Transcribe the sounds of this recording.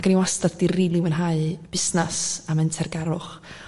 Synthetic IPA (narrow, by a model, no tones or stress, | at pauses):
ɡaniwastaddiriːlˠiwənɦaɨb̥ɪsnasamɛntʰɛrɡɛɾʊχ